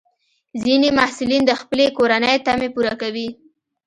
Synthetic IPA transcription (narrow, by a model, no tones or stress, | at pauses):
zinemahsulind̪əxpəlekoɾanəjt̪amepuɾakawi